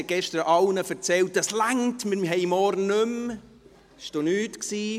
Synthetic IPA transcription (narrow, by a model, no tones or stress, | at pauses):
ɡ̥ɛʃtəɾʔɑwnəfəɾt͡sɛlt̚d̥ɑslæŋtmɪmɦɛɪmɔɾnːøm | ɪʃd̥onyːtksiː